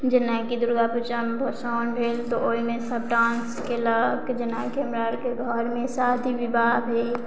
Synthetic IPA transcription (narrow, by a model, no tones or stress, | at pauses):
d͡ʒɪnakid̪ʊɾɡapʊt͡ʃəmbʱəsɔːnbʱeːlt̪oʔoimẽsəbɖãːnskeləkd͡ʒɪnakeɐmɾaːɾkeɡʱɔɾmẽsaːd̪ʱiʋɪbaːbʱe